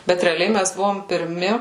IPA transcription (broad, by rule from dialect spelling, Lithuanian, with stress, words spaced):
ˈbʲɛt rʲɛɐˈlʲɛɪ ˈmʲæs ˈbʊʋoːm pʲɪrʲˈmʲɪ